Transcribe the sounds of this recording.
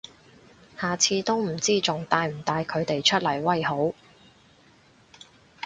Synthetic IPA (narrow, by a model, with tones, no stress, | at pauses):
haː˨t͡sʰiː˧t̪o˥wm̩˨˩t͡siː˥t͡sʊ˨ŋt̪aː˧jm̩˨˩t̪aː˧jkʰɵ˨˧ɥt̪e˨jt͡ʃʰɵ˥t̚lɐ˨˩jwɐ˥jho˨˥w